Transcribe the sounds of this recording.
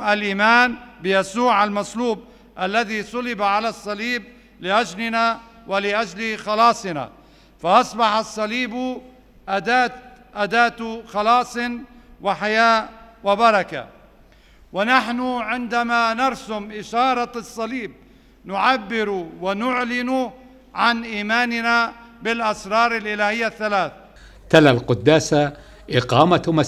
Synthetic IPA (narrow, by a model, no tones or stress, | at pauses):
alʔiːmaːnbɪjasuːʕalmasˤluːb̚ | ʔalːaðisˤʊlɪbaʕalasˤːɑliːb̚ | lɪʔad͡ʒlɪna | wɪlɪʔad͡ʒlixɑlɑːsˤɨna̰ | fɑʔɑsˤbɑħasˤːɑliːbu | ʔad̪aːt̪ʔad̪aːt̪ʊxɑlɑːsˤɪnwɪħajaːwɪbɑɾˤɑka̰ | wɪnaħnʊʕɪnd̪amanɑɾˤsʊmʔɪʃɑːɾˤɑsˤːɑliːb̚ | nʊʕabːɪɾwɪnʊʕlɪnu | ʕanʔiːmaːnɪnabɪlʔɑsɾˤɑːɾˤɪlʔɪlaːhɪjːaθːalaːθ | t̪alalqʊd̪ːaːsa | ʔɪqɑːmama